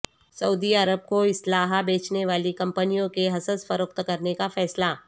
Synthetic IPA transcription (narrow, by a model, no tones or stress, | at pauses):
sɐuːd̪iɐɾəb̚koɪslaːɦabeːt͡ʃneʋaːlikɐ̃mpənijõkeɦɐsəsfɐɾəkt̪kɐɾnekafɛːsla